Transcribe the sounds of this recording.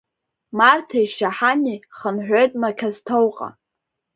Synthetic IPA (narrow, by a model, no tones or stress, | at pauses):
martʰajʃaħaniχənħᶣʷojtʼmakʲʰaztʰowqʼa̰